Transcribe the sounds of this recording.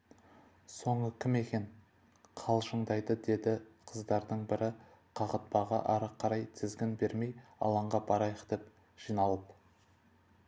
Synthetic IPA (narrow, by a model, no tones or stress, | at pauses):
so̞ɴəkʲʰɪme̞kʲe̞n | qʰɑlˠʒəɴd̪ɑjd̪əd̪e̞d̪ɪqʰəzd̪ɑɾd̪əɴbɪɾɪ | qʰɑʁət̪̚pɑʁɑ̰ʔɑɾəqʰːɑɾɑjt̪ʰɪzɡʲɪnbe̞ɾmejɑ̰lˠɑɴʁɑbɑɾɑjəqd̪̥e̞p | ʒ̥ijnɑlˠəp